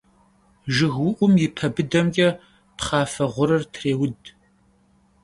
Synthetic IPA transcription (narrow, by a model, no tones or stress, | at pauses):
ʒɨɣwʊʔʷʊmjɪpʰɐbɨdɐmɡʲʼɛ | pχɑːfɐʁʷʊɾɨrtʰreːwʊd